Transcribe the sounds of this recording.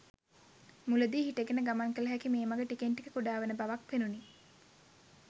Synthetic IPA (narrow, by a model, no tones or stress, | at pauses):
muləd̪iːɦiʈeɡenəɡamaŋkələɦækimeːmaɡəʈikeɳʈikəkuɖaːʋənəbaʋakʋenuni